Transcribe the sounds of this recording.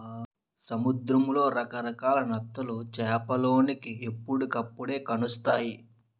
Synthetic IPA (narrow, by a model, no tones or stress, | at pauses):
sɐmud̪ɾɐmlo̞ːɾɐkɐɾɐkaːlɐnɐt̪ːɐlut͡ʃɛːpɐlo̞ːnikie̞pːuɽukɐpːuɽe̞ːkɐnust̪aːji